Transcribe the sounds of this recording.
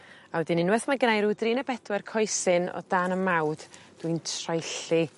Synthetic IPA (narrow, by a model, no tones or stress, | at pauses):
awədɪnɪnwɛθmaɡənajɾudrinəbɛdwɛrkʰɔjsɪnɔ̰daːnəmawd̥d̥wintʰrajɬi